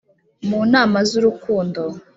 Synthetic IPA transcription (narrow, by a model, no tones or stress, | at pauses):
muːnaːmazuɾukuːndo